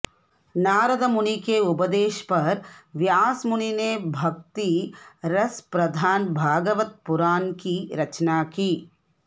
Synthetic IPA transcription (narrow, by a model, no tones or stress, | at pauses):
naːɾɐd̪ɐmunikeːubɐd̪eːʃpɐɾʋjaːsmunineːbʱɐk̚t̪iɾɐspɾɐd̪ʱaːnbʱaːɡɐʋɐt̪̚puɾaːnkiɾɐt͡ʃnaːki